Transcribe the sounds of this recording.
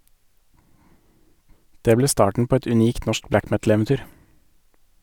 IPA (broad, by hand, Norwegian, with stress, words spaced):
ˈdeː ˈbleː ˈstɑːʈɳ̩ ˈpoː ˈɛt ʉˈniːkt ˈnɔʃk ˈblæk ˈmɛtl̩ɛʋɛnˌtyːɾ